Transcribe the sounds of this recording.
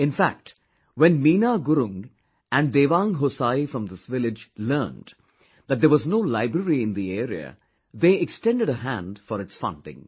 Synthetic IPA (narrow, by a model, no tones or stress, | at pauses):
ɪ̃nfæ̰k̚ʈ | wɛ̃nmiːnaɡʊɾʊ̃ŋɡ | æ̃nɖd̪eːʋãːŋɦosaifɾʌ̃md̪ɪsʋɪlɪd͡ʒlɜːn | d̪æt̚d̪əɾʋɔznoːlaɪbɾəɾiɪ̃nd̪ieːɾiə̰ | ðeːɛkstɛ̃nɖɨɖəɦæ̰̃ndfɔɾɨtsfʌ̰̃ndɪ̰̃ŋ